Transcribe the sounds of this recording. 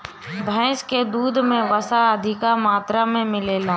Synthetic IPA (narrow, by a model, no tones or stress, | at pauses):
bʱə̃ɪsked̪uːd̪ʱmẽʋəsaəd̪ʱɪkamaːt̪ɾamẽmɪleːlaː